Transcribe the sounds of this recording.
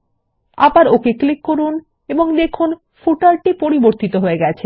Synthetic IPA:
a̰baɾokeklikːoɾun | eboŋd̪ekʰun | fuʈalʈipoɾiboɾt̪it̪oɦoeɡɛt͡ɕʰe

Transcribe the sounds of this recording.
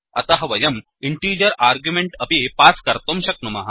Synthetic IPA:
ɐ̰t̪aɦɐʋɐjɐm | iɳʈiɾjjəɾaɾɡjumeɳʈəpipaskɐɾt̪omɕɐk̚numaɦa

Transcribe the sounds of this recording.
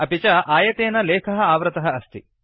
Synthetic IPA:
ɐpit͡ʃɐʔaːjɐt̪eːnɐleːkʰɐɦɐ̆aːʋɾɐt̪ɐɦɐɐst̪i

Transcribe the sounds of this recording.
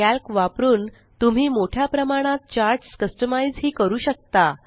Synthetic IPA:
ælkʋapɾuːn | t̪um̤iːmoʈʰjapɾəmaɽ̃at̪̚t͡ɕaɾɖskəsʈəmaizɦiːkəɾuːɕək̚t̪a

